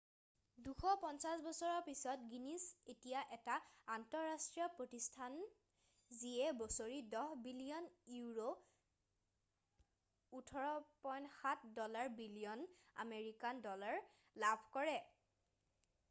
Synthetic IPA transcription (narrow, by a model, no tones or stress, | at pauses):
duxɔpɔnsasbɔsɔɹɔɹpisɔtɡinisetijaʔɛtaːntɔɹːastɹiɔpɹotistʰan | zijɛbɔsoɹidɔhbilijɔnuɹo | utʰɔɹɔpɔjnxatʰdɔlaɹbilijɔna̰meɹikandɔlaɹ | labʱkɔɹɛ